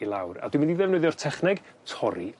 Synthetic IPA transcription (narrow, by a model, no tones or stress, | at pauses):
ilˠa̰wra̰dɪmɪndiðɛvnɨðjɔr̥tʰɛχnɛɡtʰɔɾḭ